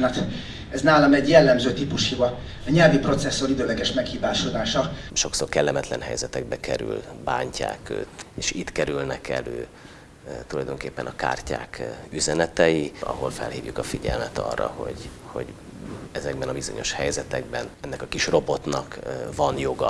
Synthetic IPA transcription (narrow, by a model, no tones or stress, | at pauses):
nɒt̪ | ɛznaːlɒmɛɟjɛlːɛmzøːt̪ipuʃhivɒ | ɲɛlvipro̞t̪sɛsːo̞ɾid̪øːlɛɡɛʃmɛkhiːbaːʃod̪aːʃɒʃo̞ksoːrkɛlːɛmɛt̪lɛnɦɛjzɛt̪ɛɡ̚bɛkɛɾy̰lbaːɲca̰ːkø̰ːt̪eːʃiːt̪kɛɾylnɛkɛløː | t̪ulɒjd̪o̞ŋkeːpːɛnɒka̰ːrcaːkyzɛnɛt̪ɛjiɒ̰ɦo̞lfɛ̰lhiːvjukɒfiɟɛlmɛt̪ɒ̰rːɒ̰ho̞ɟho̞̰ɟ | ɛzɛɡbɛnɒbizo̞ɲo̞ʃhɛjzɛt̪ɛɡbɛnɛnːɛkɒkiʃro̞bo̞t̪nɒkvɒnjo̞ɡɒ̰